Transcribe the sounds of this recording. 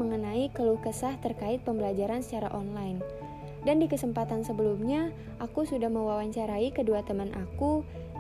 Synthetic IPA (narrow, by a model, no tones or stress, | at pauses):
əŋənaikəluhkəsaht̪ərkaɪt̪̚pəmbəlad͡ʒaɾansət͡ʃaɾa̰ʔɔnlajn | dandikəsəmpat̪ansəbəlumɲa | ʔakusudahməwawaɲt͡ʃaɾaikəduat̪əmanʔaku